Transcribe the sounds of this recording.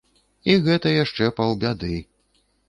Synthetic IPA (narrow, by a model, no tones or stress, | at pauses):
iɣɛt̪ɐjaʂt͡ʂɛpɐwbʲad̪ɨ